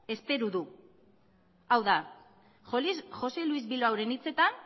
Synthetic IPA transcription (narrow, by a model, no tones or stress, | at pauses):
e̞spe̞ɾuðu | awða | ʝo̞lisʝo̞se̞luizβiloawɾe̞nit͡se̞t̪an